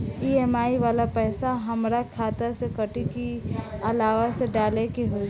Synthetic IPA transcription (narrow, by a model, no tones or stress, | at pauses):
iːɛːmaːiʋaːlapɛːsaɦɐmɾakʰaːt̪əɾsekəʈikiɐlaːʋaseɖaːlekiɦo